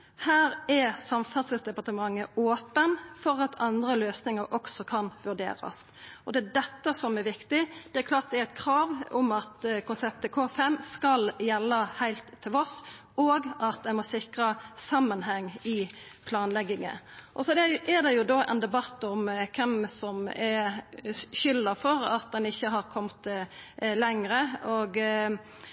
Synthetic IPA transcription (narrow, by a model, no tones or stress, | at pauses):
hæːɾɛsɑmfɑsəsd̪ɛpɑʈ̪əmɑŋːəoːpənfɔɾɑt̪ʰɑnd̪ɾəløːsnɪŋəɾʔɔksɔkʰɑnʋʉɖḛːɾɑ̰s | ɔd̪ɛæd̪ɛt̪ːəsɔmɛɾʋɪkt̪ɪd̪̥ɛæɾkʰlɑːʈ̪̚d̪ɛæɾæɪt̪kʰɾɑːʋʊmɑt̪kʊnsɛp̚t̪əkʰoːfɛmːskɑljɛlːəhæɪlt̪ʰːɪlɔs | oːɡɑt̪d̪ɛmɔsɪkɾɑsɑmːənɦɛŋːɪpʰlɑːnlɛɡːɪŋə̰ʔɔsɔd̪ɛʔɛd̪ɛjʊd̪oːʔɛ̰nd̪ɛbɑt̪ːʊmkʰɛmsɔmɛ | ɕʏlːɑfɔɾɑt̪̚d̪ɛnɪçːəɦɑɾkʰɔmt̪ | lɛŋɾəoɡ